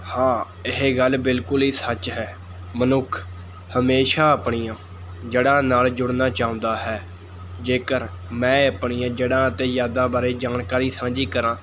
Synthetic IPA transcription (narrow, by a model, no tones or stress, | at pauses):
hãː | ɪɦeːɡəlbɪlkʊlɦiːsət͡ʃɦɛː | mənʊkʰ | həmeːʃaːəpɳijãː | d͡ʒəɽãːnaːld͡ʒʊɽnaːt͡ʃaːʊ̃nd̪aːɦɛː | d͡ʒeːkəɾ | mɛ̃ːəpɳijãːd͡ʒəɽãːət̪ẽːzaːd̪ãːbaːɾeːd͡ʒaːnkaːɾiːsãːd͡ʒiːkəɾãː